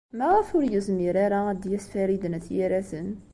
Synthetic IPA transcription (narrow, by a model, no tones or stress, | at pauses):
mæʁəfʊɾjəzmiɾaɾaæd̪jæsfæɾid̪ənθjæɾæθən